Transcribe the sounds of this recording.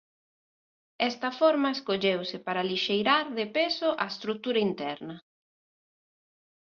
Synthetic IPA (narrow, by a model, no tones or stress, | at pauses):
ɛst̪ɐfoɾmɐeskoʎewsɪpaɾaliʃejɾaɾðɪpesoʔɐest̪ɾut̪uɾɐint̪ɛɾnɐ